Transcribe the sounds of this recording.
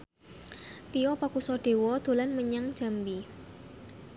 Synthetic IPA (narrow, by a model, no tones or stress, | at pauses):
t̪iɔpakusɔɖ̥e̤wɔd̪̥o̤lanməɲaŋ̥ʒ̥a̤mbi